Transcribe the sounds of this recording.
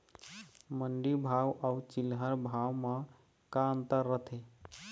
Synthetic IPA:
məɳɖibʱawawt͡ʃilɦəɾbʱawmã | kaənt̪əɾːət̪ʰe

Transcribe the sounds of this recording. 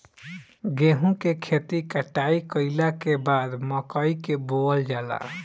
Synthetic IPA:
ɡeɦũkekʰet̪ikəʈaikəɪlakebad̪məkəikeboəld͡ʒala̰

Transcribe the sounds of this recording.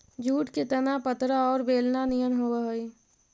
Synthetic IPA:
d͡ʒʱuːʈket̪ənapət̪ɾaɔːɾbeːlnanijənɦoːaɦoi

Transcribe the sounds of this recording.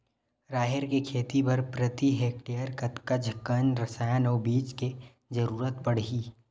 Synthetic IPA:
ɾaːɦeɾkekʰeːt̪ipɐɾpɾət̪iɦeːk̚ʈejəɾkɐt̪kəd͡ʒʱkɐnɾɐsaːjanɔːbiːt͡ʃke | d͡ʒɐɾuːɾət̪pɐɽ̤ɦiː

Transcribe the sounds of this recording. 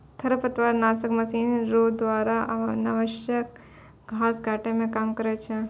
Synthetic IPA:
kʰɐɾəpɐt̪ʋaːɾnaːsəkmɐsiːnɾoːd̪ʋaːɾaʔnɐʋəʃjək̚ | ɡʱaːsɡʱaːʈemẽkaːmkəɾet͡ʃʰe

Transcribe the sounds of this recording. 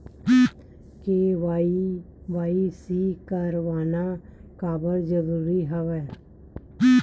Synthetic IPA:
keʋai | ʋaːisikəɾʋaːnakaːbəld͡ʒəɾuːɾiɦəʋɛː

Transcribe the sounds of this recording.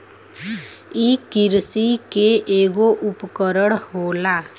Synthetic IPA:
iːkɪɾsikeʔeːɡoʔʊpkəɾəɽɦoːlaː

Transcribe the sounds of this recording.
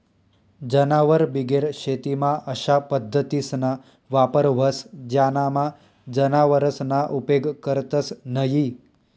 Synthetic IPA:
d͡ʒənaʋəɾbiɡeɾɕet̪imãʔəɕapəd̪ʱːət̪isna | ʋapəɾʋəsd͡ʑjanama | d͡ʒənaʋəɾəsnaʔupeɡkəɾt̪əsnəɦi

